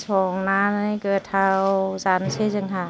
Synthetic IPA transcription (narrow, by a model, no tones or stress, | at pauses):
sʰɔːŋnaːnakɯːt̪ʰːawwsansʰesɯŋɦa